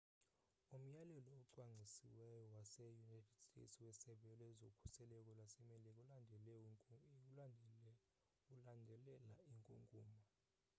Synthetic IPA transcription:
um̩jalɛlɔːǀwaŋ͡ǀʱisḭwɛjɔwasɛjunajtʰɛd̥stʰʼḛtswɛsɛɓɛlɔɛzokʰu̥sɛlɛk̬ʼɔlwasɛmɛlɛk̬ʼuandʱɛlɛ | ulandʱɛlɛlaiŋkʼuŋɡʱuːma

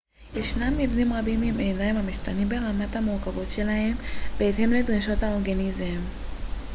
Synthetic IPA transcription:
jeʃnamːivnimʁabimimenaimamiʃtanimbe̞ʁamathamuʁkavo̞tʃe̞lahe̞mbeːthe̞mledʁiʃo̞thao̞ʁɡanizem

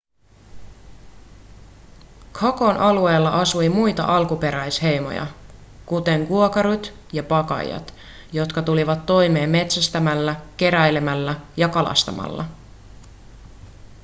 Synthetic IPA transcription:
kʰɑko̞nʔɑlue̞ːlːɑʔɑsujmujt̪ɑ̰ʔɑlkupe̞ɾæjshe̞jmo̞̰jɑ̰ | kut̪e̞ŋkuokɑɾut̪ | jɑpɑkɑ̰j̰ɑ̰t̪ | jo̞t̪kɑt̪uliʋɑt̪ːo̞jme̞ːmːe̞t̪sæst̪æmælːæk̟e̞ɾæjle̞mælːæjɑkɑlɑ̰st̪ɑmɑ̰lːɑ̰

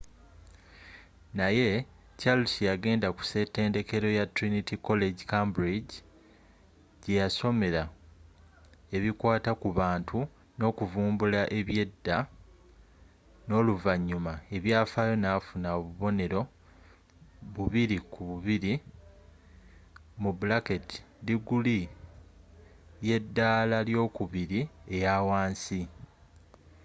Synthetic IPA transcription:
naje̞ | t͡ʃalusijaɡe̞ːndaku̥se̞te̞ːnde̞ke̞ɾo̞jatɾinitiko̞le̞ɟikambɾiɟi | ɟejaso̞me̞ɾa | e̞βikwaːtakuβaːntʰu | no̞ːkuvuːmbulaʔe̞βje̞dːa | no̞ːluvaɲːumae̞βjaːfajo̞nafunaoβuβo̞ne̞ɾo̞ | βuβiɾikuβuβiɾi | mubulaketi̥ | liɡuli | je̞dːaːlaljo̞ːkuβiɾie̞jawaːnsi

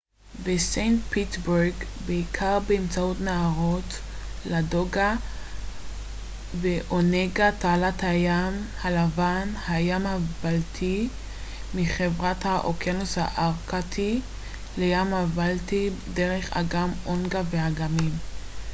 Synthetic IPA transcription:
vesejntpʰitbeʁɡbeikʰaʁbeːmt͡saotnaaʁot | lado̞ɡa | veʔoneɡataːlathajamhalavanhajamhabaltʰi | miχevʁathaʔokjanushaʔaʁkatʰi | lejamhavaltideʁeχa̰ɡamonɡavehaɡamim

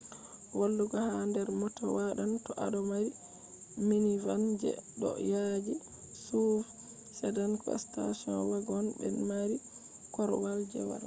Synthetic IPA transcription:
walːuɡɔhandɛɾmɔtɔwaɗantɔʔaɗɔmaɾi | minivand͡ʒɛ̰ɗɔ̰jad͡ʒi | suf | sɛdankʰɔ̰sta̰siɔnwaɡɔnbɛ̰nmaɾi | kɔɾwald͡ʒɛ̰wa̰ɾ

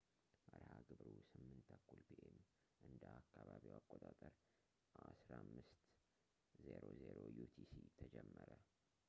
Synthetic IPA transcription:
ʔəɾhaɡɨbɾusɨmːɨnt̪ʰakːulpʰiʔem | ʔɨnd̪əakʰːaβaβiwakʼːot̪ʼat̪ʼəɾ | asɾamːɨst̪ | zeɾozeɾojut̪ʰisit̪ʰəd͡ʒɛmːəɾə

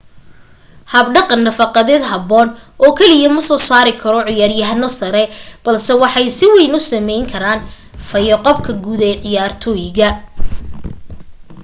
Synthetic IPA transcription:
hɐbɖɑqɑnːɐfɑqɑðɛːd̪ɦɐbɔːnʔɔːkʰɛlɪjɐmɐsɔːsaːɾɪkʰɐɾɔʕɪjaːrjɐɦnɔsɐɾɛb̥ɐlsɛwɑħɑjsɪwɛjnʊsɐmɛjŋkʰɐɾaːn | fɐjɔqɔb̚kʰɐɡuːðɛʕɪjaːrt̪ʰɔːjɪɣɐ

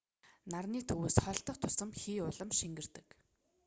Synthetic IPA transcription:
narniːt̪ʰɵwoːsχœɬt̪ɞ̆χt̪ʰʊ̥sə̆mxiːʊɮə̆mʃiŋɡɘ̆r̥t̪ɘ̥̆k

